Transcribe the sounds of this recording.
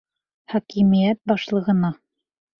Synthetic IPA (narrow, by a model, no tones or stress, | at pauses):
χɒkimijæt̪̚bɒʃlˠɤ̆ʁɤ̆nɑ